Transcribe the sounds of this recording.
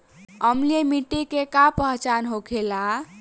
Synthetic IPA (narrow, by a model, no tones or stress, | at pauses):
əmliemiʈːikekapəɦt͡ʃanɦokʰela